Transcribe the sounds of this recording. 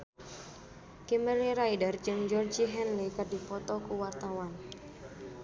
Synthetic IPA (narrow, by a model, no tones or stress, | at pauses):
kimɛliɾajdərd͡ʒɨŋd͡ʒɔrd͡ʒiɦɛnlikadipɔt̪ɔkuwart̪awan